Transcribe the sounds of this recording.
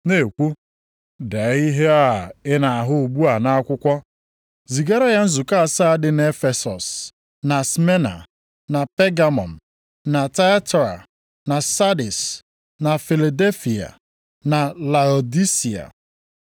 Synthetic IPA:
ne˨kʷu˦ | de˨˦i˦ɦe˦a˦a˨ɪ˦na˨a˨ɦʊ˦˨ɡ͡bu˦a˨na˦a˦kʷʊ˦kʷɔ˦ | zi˨ɡe˦ɾa˦ja˦n̩˦zu˨ka˦a˨sa˦a˦dɪ˨˦ne˦fe˨sɔ̰˨s | na˨sme˦na̰˨ | na˨pe˦ɡa˨mɔ̰˨n̩˨ | na˨ta˦a˦tɔ˨ɾa̰˨ | na˨sa˦di˨s | na˨fi˨la˨de˦lfi˨a̰˨ | na˨la˨o˨di˦si˨a̰˨

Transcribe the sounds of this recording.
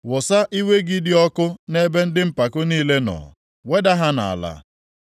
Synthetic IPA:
wʊ˨sa˦ʔi˦we˦ɡi˦dɪ˦ɔ˦kʊ˦ne˦be˦n̩˦dɪ˦m̩˦pa˨kʊ˦niː˦le˦nɔ̰˨ | we˦da˦ɦa˦na̰˨a̰˨la̰˨

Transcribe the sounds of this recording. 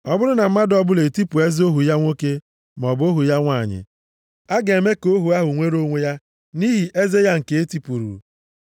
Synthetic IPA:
ɔ˦bʊ˦ɾʊ˦na˨m̩˦ma˦dɔ˦bʊ˦le˨ti˦pu˨e˦zo˦ɦu˨ja˦ŋʷo˦ke˦ | m˨ɔ˨bo˦ɦu˨ja˦ŋʷa˦˨ɲɪ̰˨ | a˦ɡe˨e˨me˦ko˦ɦu˨a˦ɦʊ˨ŋʷe˦ɾo˦ŋʷe˦ja˦ | ni˦ɦi˨ʔe˦ze˦ja˦ŋ̩˨ke˨e˦ti˦pu˨ɾṵ˨

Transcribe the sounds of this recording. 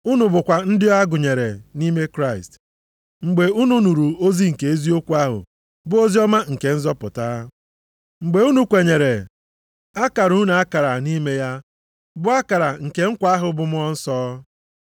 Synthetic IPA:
u˦nu˨bʊ˨kʷa˨n̩˦dɪ˦a˦ɡʊ˨ɲe˨ɾe˨ni˦me˦kɾa˦˨ḭ˨st | ŋ͡m̩˨ɡ͡be˨u˦nu˦nu˨ɾu˨o˦zi˦ŋ̩˨ke˨e˦zi˦o˦kʷu˦a˦ɦʊ̰˨ | bʊ˦o˦zi˦ɔ˦ma˦ŋ̩˨ke˨n̩˦zɔ˦pʊ̰˨ta˦ | ŋ͡m̩˨ɡ͡be˨u˦nu˨kʷe˨ɲe˨ɾe˨ | a˦ka˨ɾu˦na˨a˦ka˨ɾa˨ni˦me˦ja˦ | bʊ˦a˦ka˨ɾa˨ŋ̩˨ke˨ŋ̩˦kʷa˦a˦ɦʊ˨bʊ˨mʊ˦ɔ˦n̩˦sɔː˦

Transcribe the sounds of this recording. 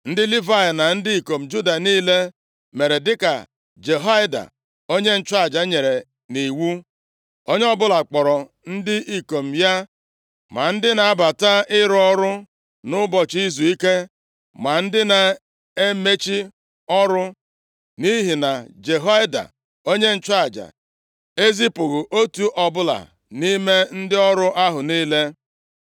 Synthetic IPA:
n̩˦dɪ˦li˦va˦ja˨na˨n̩˦dɪ˦i˨ko˨m̩˨d͡ʒu˦da˨niː˦le˦ | me˨ɾe˨dɪ˦ka˨ | d͡ʒe˨ɦa˦jda̰˨ | o˦ɲe˦n̩˦t͡ʃa˦˨d͡ʒa˦ɲe˨ɾe˨ | ni˨wu˦ | o˦ɲe˦ɔ˦bʊ˦la˨k͡pɔ˨ɾɔ˨ | n̩˦dɪ˦ʔi˨ko˨m̩˨ja˦ | ma˨n̩˦dɪ˦na˨a˦ba˨ta˦ɪ˦ɾɔ˦ɾʊ˦ | nʊ˦bɔ˨t͡ʃi˦zu˨i˦ke˦ | ma˨n̩˦dɪ˦na˨ | e˦me˦t͡ʃi˦ | ɔ˦ɾʊ˦ | ni˦ɦi˨na˨d͡ʒe˨ɦa˦jda̰˨ | o˦ɲe˦n̩˦˨t͡ʃa˦a˨d͡ʒa̰˨ | e˦zi˦pʊ˨ɣʊ˨ʔo˦tu˦ʔɔ˨bʊ˦la̰˨ | ni˦me˦n̩˦dɪ˦ɔ˦ɾʊ˦ʔa˦ɦʊ˨niː˦le˦

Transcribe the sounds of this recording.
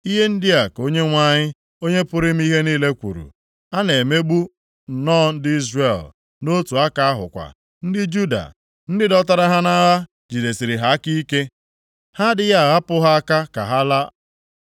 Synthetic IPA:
i˦ɦe˦n̩˦dɪ˦a˨ko˦ɲe˦ŋʷa˦ɲɪ˦ | o˦ɲe˦pʊ˦ɾɪ˦m̩˦i˦ɦe˦niː˦le˦kʷṵ˨ɾṵ˨ | a˦ne˨me˦ɡ͡bu˦˨ | nɔː˦n̩˦dɪ˦i˦zre˨l | no˦tu˨a˦ka˨a˦ɦʊ̰˨kʷa̰˨ | n̩˦dɪ˦d͡ʒu˦da̰˨ | n̩˦dɪ˦dɔ˦ta˦ɾa˦ɦa˦na˦ɣa˦ | d͡ʒi˨de˨si˨ɾɪ˨ɦa˦ki˦ke˦ | ha˦dɪ˦ja˦˨ɣa˦pʊ˦ɦa˦a˦ka˦ka̰˨ɦa˦la˦

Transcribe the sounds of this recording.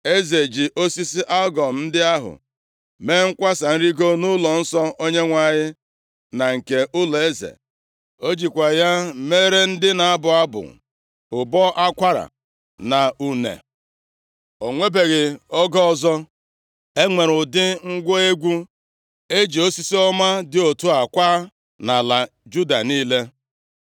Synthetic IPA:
e˦ze˨d͡ʒi˨ʔo˦si˦si˦ʔa˦lɡɔ˨m̩˦n̩˦dɪ˦a˦ɦʊ̰˨ | me˦ŋ̩˦kʷa˦sa˨n̩˦ɾi˦ɡo˦nʊ˦lɔ˨n̩˦sɔ˦o˦ɲe˦ŋʷa˨ɲɪ˦ | na˨ŋ̩˨ke˨ʔʊ˦lɔ˨e˦zḛ˨ | o˦d͡ʒi˨kʷa˨ja˦me˦ɾe˦n̩˦dɪ˦na˨a˦bʊ˨a˦bʊ̰˨ | ʊ˨bɔ˦ʔa˦kʷa˦ɾa̰˨ | na˨u˨nḛ˨ | o˨ŋʷe˦be˨ɣɪ˨ɔ˦ɡɔ˦ɔ˦zɔ˦ | e˦ŋʷe˨ɾʊ˨dɪ˦ŋ̩˦ɡʷo˦e˦ɡʷu˦ | e˦d͡ʒi˨o˦si˦si˦ɔ˦ma˦dɪ˦o˨tu˦a˨kʷaː˦ | na˨la˨ | d͡ʒu˦da̰˨niː˦le˦

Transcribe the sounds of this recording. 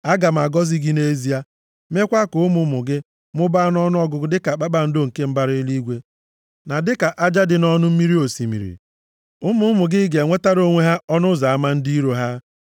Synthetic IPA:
a˦ɡa˨m̩˨a˨ɡɔ˦zi˦ɡi˦ne˦zi˦a˦ | me˦kʷa˦kʊ˨ʊ˦mʊ˨˦mʊ˨ɡɪ˦ | mʊ˦ba˦n˦ɔ˦nʊ˦ɔ˦ɡʊ˨ɡʊ˦dɪ˦ka˨k͡pa˦ɓa˨n̩˦do˦ŋ̩˨ke˦m̩˦ba˦ɾɪ˦ɪ˦li˦ɡʷe˦ | na˨dɪ˦ka˨ʔa˦d͡ʒa˦dɪ˨nɔ˦nʊ˦m̩˦mi˦ɾi˦o˨si˨mḭ˨ɾḭ˨ | ʊ˦mʊ˦mʊ˨ɡɪ˦ɡe˨ŋʷe˦ta˦ɾo˦ŋʷe˦ɦa˦ɔ˦nʊ˦za˨a˦ma˦n̩˦di˦ɾo˨ɦa˦

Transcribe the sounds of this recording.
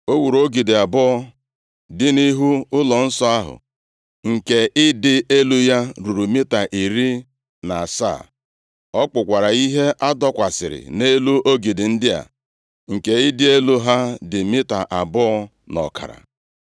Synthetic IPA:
o˦wu˨ɾo˦ɡi˨dɪ˨a˨bɔ˦ɔ˦ | dɪ˦ni˦ɦu˦ʊ˦lɔ˨n̩˦sɔ˦a˦ɦʊ̰˨ | ŋ̩˨ke˨ʔɪ˦dɪ˦ʔe˦lu˦ja˦ɾu˨ɾu˨mɪ˦ta˨ʔi˨ɾi˦ | na˨a˨sa̰˦˨ | ɔ˦k͡pʊ˨kʷa˨ɾa˨i˦ɦe˦ʔa˦dɔ˦kʷa˨sɪ˨ɾɪ̰˨ne˦lu˦ʔo˦ɡi˨dɪ˨n̩˦dɪ˦a̰˨ | ŋ̩˨ke˨ɪ˦dɪ˦e˦lu˦ɦa˦dɪ˨mɪ˦ta˨ʔa˨bɔ˦ɔ˦ | nɔ̰˨ka̰˨ɾa̰˨

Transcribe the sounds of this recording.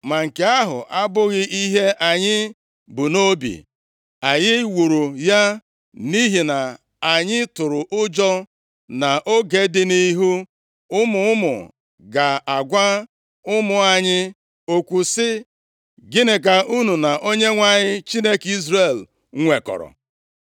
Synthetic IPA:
ma˨ŋ̩˨ke˨a˦ɦʊ̰˨ʔa˦bʊ˦ɣɪ˦ʔi˦ɦe˦ʔa˨ɲɪ˦ | bu˨no˦bḭ˨ | a˨ɲɪ˦wu˨ɾu˨ja˦ | ni˦ɦi˨na˨ | a˨ɲɪ˦tʊ˨ɾʊ˨ʔʊ˦d͡ʒɔ˦ | na˨ʔo˦ɡe˦dɪ˦ni˦ɦu˦ | ʊ˦mʊ˨˦ʊ˦mʊ̰˨ | ɡa˨a˨ɡʷa˦ | ʊ˦mʊ˨a˨ɲɪ˦ | o˨kʷu˨sɪ˦ | ɡɪ˦nɪ˨k̬a˨u˦nu˨na˨ʔo˦ɲe˦ŋʷa˨ɲɪ˦t͡ʃi˦ne˦ki˦zɾe˨l | ŋʷe˨kɔ̰˨ɾɔ̰˨

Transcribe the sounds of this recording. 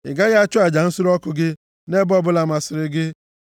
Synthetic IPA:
ɪ̰˨ɡa˦ɣt͡ʃʊ˦a˨d͡ʒa˨n̩˦sʊ˦ɾɔ˦kʊ˨ɡɪ˦ | ne˦bɔ˦bʊ˦la˨ma˨sɪ˨ɾɪ˦ɡɪ˦

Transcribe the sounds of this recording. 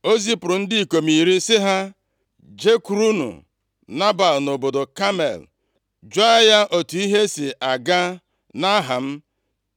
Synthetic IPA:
o˦zi˦pʊ˨ɾʊ˨n̩˦dɪ˦i˨ko˨mi˨ɾi˦sɪ˦ɦa˦ | d͡ʒe˦ku˨ɾu˦nṵ˨ | na˦ba˨lno˨bo˨do˨ka˦mḛ˨l | d͡ʒa˦a˦ja˦ʔo˨tu˨i˦ɦe˦si˨ʔa˨ɡa˦ | na˦ɦa˨m̩˦

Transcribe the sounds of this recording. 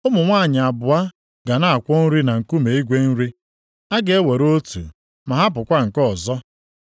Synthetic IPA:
ʊ˦mʊ˨ŋʷa˦˨ɲɪ˨a˨bʊ˨a˦ | ɡa˨na˦a˨kʷɔ˦n̩˦ɾi˦na˨ŋ̩˨ku˦me˨i˦ɡʷe˦n̩˦ɾi˦ | a˦ɡe˨e˦we˨ɾo˦tṵ˨ | ma˨ɦa˦p̬ʊ˨kʷa˦ŋ̩˨kɔ˦˨zɔ˦

